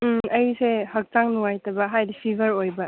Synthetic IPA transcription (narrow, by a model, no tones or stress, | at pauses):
ɐjusehɐk̚taŋnuŋajtɐbɐɦajdipʰibʱɐɾojbɐ